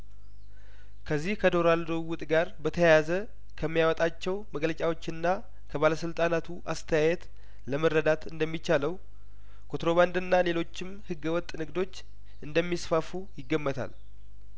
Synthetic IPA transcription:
kʰəzːihkʰəd̪o̞ɾald̪owʊt̪ʼɡaɾbət̪ʰəjazə | kʰəmːijawɔt̪ʼat͡ʃːɛwməɡlət͡ʃʼawo̞t͡ʃːɨnːa | kʰəβaləsɨlt̪ʼanat̪ʰuʔast̪ʰəjajɛt̪ | ləməɾːəd̪at̪ɨnd̪əmːit͡ʃːaləw | kʰot̪ɾo̞βand̪ɨnːale̞lo̞t͡ʃːɪmhɨɡːəwɔt̪ʼnɨɡd̪o̞t͡ʃː | ʔɨnd̪əmːisfafujɪɡːəmːət̪ʰa̰l

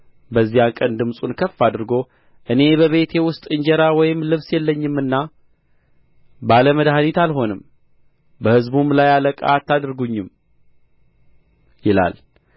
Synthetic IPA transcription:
bəzːijankʼənd̪ɨmsʼunkʰəfːad̪ɨɾɡo̞ | ʔɨne̞bəβe̞t̪ʰe̞wʊst̪ʼɨɲd͡ʒɛɾawɔjɪmlɨβsjɛlːəɲːɪmːɨnːa | baləməd̪ɦanit̪alɦo̞nɨm | bəhɨzbumlajaləkʼa̰t̪ʰːad̪ɨɾɡuɲːɨm | jɪla̰l

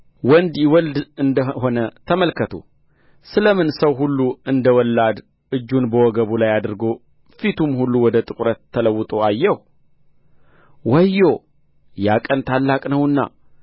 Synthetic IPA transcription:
wɔnd̪jɪwɔld̪ɨnd̪əho̞nət̪ʰəməlkʰət̪ʰṵ | sɨləmɨnsəwɦulːuɨnd̪əwɔlːad̪ | ʔɨd͡ʒːunbəwɔɡəβulajad̪ɨɾɡo̞ | fit̪ʰumhulːuwɔd̪ət̪ʼɨkʼɾət̪ʰːələwːɨt̪ʼo̞ajːɛh | wɔjːo | jakʼənt̪ʰalːakʼnəwɨnːa̰

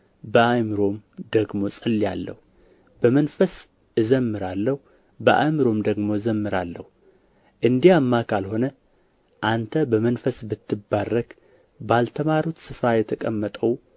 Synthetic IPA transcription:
bəajmɨɾo̞md̪əɡmo̞sʼɨlːja̰lːə̰hu | bəmənfəs | ɨzəmːɨɾalːəhu | bəʔa̰mɨɾo̞md̪əɡmo̞ɨzəmːɨɾalːə̰hu | ʔɨnd̪iamːakʰalho̞nə | ʔant̪ʰəbəmənfəsbɨt̪ʰːɨbːarːəɡ | balt̪ʰəmaɾut̪sɨfɾajɛt̪ʰəkʼəmːət̪ʼəw

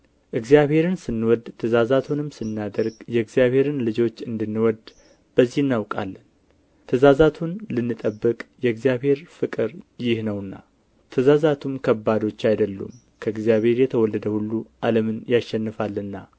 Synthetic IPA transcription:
ʔɨɡzjaβhe̞ɾɨnsɨnːwɔd̪t̪ʰəzazat̪ʰunɨmsɨnːad̪əɾɡjɛɨɡzjaβhe̞ɾɨnlɨd͡ʒo̞t͡ʃːɨnd̪ɨnːɨwɔd̪ | b̥əzːihɨnːawkʼa̰lːən | t̪ʰəzazat̪ʰunlɨnːɨt̪ʼəbːɨkʼjɛɨɡzijaβhe̞ɾfɨkʼɨɾjɪhnəwɨnːa̰ | t̪ʰəzazat̪ʰumkʰəbːad̪o̞t͡ʃːajd̪əlːṵm | kʰəɨɡzijaβhe̞ɾjɛt̪ʰəwɔlːəd̪əhulːuʔaləmɨnjaʃɛnːɨfalːnːa

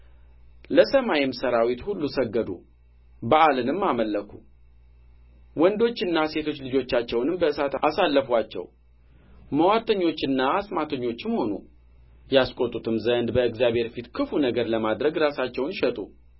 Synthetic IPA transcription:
ləsəmajɪmsəɾawit̪hulːusəɡːəd̪ṵ | baʔalɨnɨmːaməlːəkʰu | wɔnd̪o̞t͡ʃːɨnːase̞t̪ʰo̞t͡ʃːlɨd͡ʒo̞t͡ʃːat͡ʃːɛwnɨmbəɨsat̪asalːəfwat͡ʃːɛ̰w | məwaɾt̪ʰəɲːo̞t͡ʃːɨnːaasmat̪ʰəɲːo̞t͡ʃːmho̞nṵ | jaskʼot̪ʼːut̪ʰɨmzənd̪bəɨɡzjabhe̞ɾfit̪kʰɨfunəɡəɾləmad̪ɾəɡɾasat͡ʃːɛwnʃɛt̪ʼṵ

